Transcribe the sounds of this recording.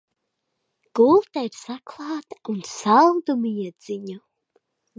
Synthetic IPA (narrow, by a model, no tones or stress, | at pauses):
ɡ̥ulˠt̪ɛɾsakʰlˠaːt̪unsalˠd̪umijɛz̥iɲu